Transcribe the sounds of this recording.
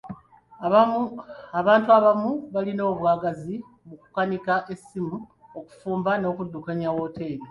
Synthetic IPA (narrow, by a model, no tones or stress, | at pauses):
aβaːntuaβamuβalino̞ːβwaːɡazi | muku̥kanikaʔe̞simu | o̞ku̥fuːmbano̞ːkudːukaɲawo̞ːte̞ːɾe